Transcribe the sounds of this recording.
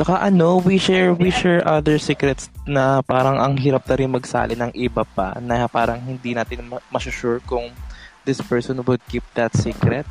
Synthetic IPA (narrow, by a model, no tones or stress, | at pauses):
t͡ʃɐkɐʔɐnowiʃɛɹwiʃɛɹʔɐd̪ɛɹsiːkɾɛt̪snɐpaːɾɐŋɐŋɦiːɾɐp̚nɐɾɪnmɐɡsa̰ːlɪnɐŋʔɪbapɐ̰nɐpaːɾɐŋhɪnd̪inaːt̪ɪnmmɐsʊʃuɹkʊŋd̪ɪspɛɹsɔnwʊd̪̚kip̚d̪ɐt̪siːkɾɛt̪̚